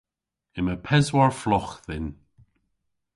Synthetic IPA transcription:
ɪməpʰɛzwaɹflɔxðɪn

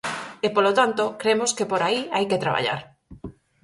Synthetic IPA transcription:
ɪpolot̪ant̪okɾemoskepoɾaiajkɪt̪ɾaβa̰ʎa̰ɾ

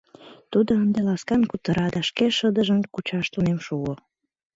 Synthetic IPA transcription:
t̪ud̪oənd̪elɑskɑnkut̪əɾɑd̪ɑʃkeʃəd̪əʒənkut͡ɕɑʃt̪unemʃuɣo

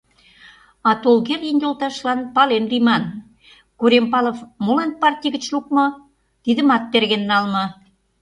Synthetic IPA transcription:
ɑt̪olɣerʲjənjolt̪ɑʃlɑnpɑlenrimɑn | kuɾempɑlofmolɑnpɑrtʲijɣɡə̆t͡ɕluk̚mɤ̆ | t̪id̪ə̆mɑt̪̚ːerɣenːɑlmɤ̆

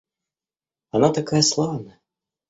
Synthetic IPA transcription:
ɐnat̪akajɐslˠavnɐ

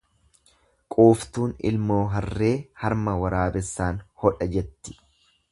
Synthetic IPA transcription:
kʼuːft̪uːnɪ̰lmoːɦɐrːe̞ːhɐɾmɐwɐɾaːbɛsːaːnhɔᶑɐd͡ʒɛt̪ːɪ̥

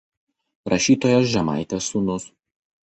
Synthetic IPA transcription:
ɾɐʃʲiːt̪oːjos̬ʒʲɛmɑ̰ɪt̪ʲesunʊs

